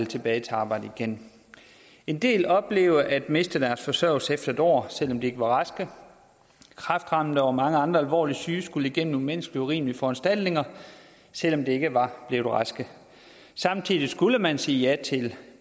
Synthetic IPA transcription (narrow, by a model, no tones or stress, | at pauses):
lt͡sʰe̝b̥ɛːɪt͡s̝ʰɑ̈ːb̥ɑ̈ɪ̰d̥əiɡ̥en | e̝nd̥e̝̰ːlɒ̽b̥le̝ːʊəʔæd̥me̝sd̥əd̥æɐsfɒ̽sœɐ̰ʊl̩sefd̥ɐed̥ɒ̰ːsel̰ɒ̽md̥e̝e̝ɡ̥əʋɑ̈ʁɑ̈sɡ̥ə | kʰʁɑ̈fd̥ʁɑ̈mn̩dəɒmɑ̈ŋəɑ̈nd̥ʁɐælʋɒ̰ːlisyːsɡ̥uləiɡ̥en̰m̩umenəsɡ̥liəuʁḭːməliəfɒ̽ænsd̥æl̰d̥ne̝ŋɐ | sel̰ɒ̽md̥e̝e̝ɡ̥əʋɑ̈b̥le̝ʊd̥eʁɑ̈sɡ̥ə | sɑ̈mt͡sʰiðˠisɡ̥uləmænsiːjæt͡sʰe̝l